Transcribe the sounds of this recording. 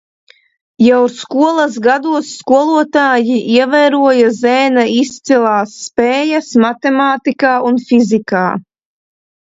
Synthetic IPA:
jawɾskuɔlˠɐs̬ɡad̪uɔsːkuɔlˠuɔt̪aːjiʔiɛvɛjɾuɔjazɛːnaist̪silˠaːsːpɛːjasmat̪emaːt̪ikaːunfizika̰ː

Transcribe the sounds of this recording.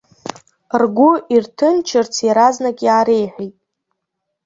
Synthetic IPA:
rɡʷʊʔirtʰɨnt͡ʃʰɨrt͡sʰjaɾaznakʲʼjaːɾejħʷijtʼ

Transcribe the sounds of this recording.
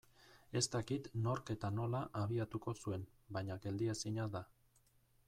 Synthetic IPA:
e̞st̪akit̪no̞ɾke̞t̪ano̞laʔaβ̞iat̪uko̞sue̞n | baɲaɡe̞ld̪iesiɲaða

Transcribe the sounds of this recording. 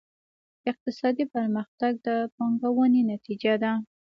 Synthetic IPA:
ɪq̚t̪ɪsɑd̪ipəɾməxt̪aɡ̚d̪əpaŋɡawənenat̪id͡ʒad̪a

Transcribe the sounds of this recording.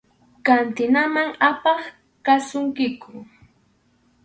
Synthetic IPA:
kant̪ɪnamaŋapɑχ | kasʊŋkɪkʊ

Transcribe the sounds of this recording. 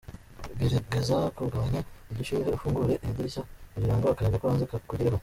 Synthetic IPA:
ɡeɾaɡezakuɾɡaβaɲaiduʃimiɾeufuːŋɡuɾeʔemdiɾisauɾiɾaːŋɡoakaɾeːŋɡakuɾaːnzekakuɟiɾeho

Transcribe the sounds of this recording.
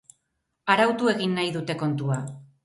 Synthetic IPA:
aɾawt̪ue̞ɣinːajðut̪e̞ko̞nt̪ua

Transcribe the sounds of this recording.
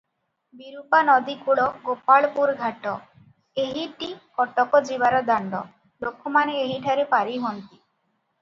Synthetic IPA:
biɾupanɔd̪ikuɭɔɡopaɭpuɾɡʱaʈɔ | eɦiʈikɔʈɔkɔd͡ʒiβaɾɔd̪aɳɖɔ̰ | lokʰːɔmaneeɦiʈʰaɾepaɾiɦɔnt̪i̥

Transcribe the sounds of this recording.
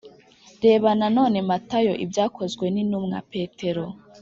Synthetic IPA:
ɾe̞ːβanano̞ːne̞matajoʔḭbjaːkʰo̞zɡwe̞ninumŋa̰pe̞ːtʰe̞ɾo

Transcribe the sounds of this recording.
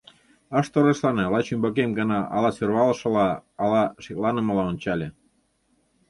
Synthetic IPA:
əʃt̪oɾə̆ʃlɑnelɑt͡ɕymbɑk̬emɡənɑʔɑ̰lɑsørβɑləʃɤ̆lɑːlɑʃeklɑnə̆məlɑonʲt͡ɕɑlʲe

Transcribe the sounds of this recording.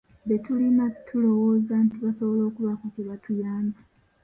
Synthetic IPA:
detulinatʰːulo̞woːzantiβasoβolo̞ːkuβakuciβatʰujaːma

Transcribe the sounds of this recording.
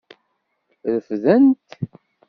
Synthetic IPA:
ðəfðænt̪

